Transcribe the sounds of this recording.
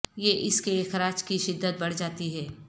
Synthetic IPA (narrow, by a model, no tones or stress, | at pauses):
jeʔɪskeeːxɾaːt͡ʃkiʃɪd̪ːət̪̚bɐɽ̤d͡ʒaːt̪iɦɛː